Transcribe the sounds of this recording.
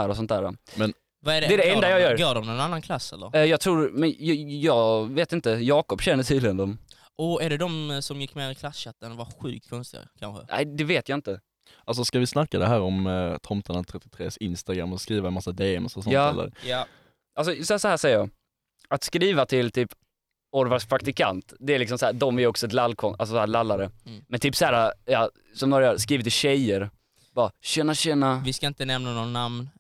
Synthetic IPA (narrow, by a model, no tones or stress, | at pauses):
æːɾɔsɔnt̪̚æːɾɔ̰mɛn | vaɛɖɛd̪ɛæɖɛɛnd̪ajɑːjœːɾɡoːɖɔmnɛnanːankʰlasɛlːəɾjɑːɡt̪ʰɾuːɾmɛnjjɑːɡveːt̪ɪnt̪əjɑːkɔpɕɛnːəʈʰiːd̪lɪɡənd̪ɔm | ɔɛɖɛd̪ɔmsɔmjɪkːmeːɾɪkʰlasɕat̪ːənvaɧʉ̟̰ːk̚t̪̚kʰɔnst̪ɪɡa̰kʰanɧə̰nʔæ̰ɪd̪ɛveːt̪jaɪnt̪ə | ʔals̬ɔskavɪsnakːad̪ɛɦæːɾɔmt̪ʰɔmt̪ʰanat̪ʰɾɛt̪ːɪt̪ʰɾḛːsɪnst̪aɡɾa̰mːɔskɾiːvamasːad̪eːɛ̰msɔsɔnj̪ɑːɛ̰lːə̰ɾj | ʔals̬ɔssɔhæːʂɛjɾɑ | at̪skɾiːvat̪ʰɪlt̪ʰyːp | ɔɾvaʂpʰɾakt̪ɪkʰa̰nt̪d̪ɛæɾlɪksɔmsɔhæːd̪ɔmæjɾɔksɔɛt̪lalːkʰɔnʔalsɔsɔhæːɾlalːaɾəmɛnt̪ʰyːpsæːɾajɑː | sɔmd̪oːɾaœːɾskɾiːvɪt̪ːɪɕɛjəɾ | b̥ɑɕœnaɕɛnːaʋɪskaɪnt̪ənɛmnanɔnːamn